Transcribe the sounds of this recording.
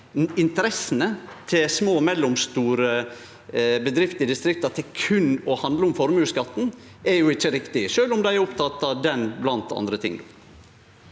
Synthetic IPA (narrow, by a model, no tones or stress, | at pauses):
ɪnt̪əɾɛsənət̪ʰɪlsmoːmɛlːʊmst̪uːɾə | bəd̪ɾɪft̪ɪd̪ɪst̪ɾɪk̚t̪ɑt̪ʰɪkʰʉnːɔhɑnd̪ləʊmfɔɾmʉːskɑt̪ːn̩ | ɛɾjʊɪçːəɾɪkt̪ɪʃøːlʊmd̪æɪæɾʊpt̪ʰɑt̪ːɑʋd̪ɛnblɑnt̪ɑ̰nd̪ɾət̪ʰɪ̰ŋːd̪oː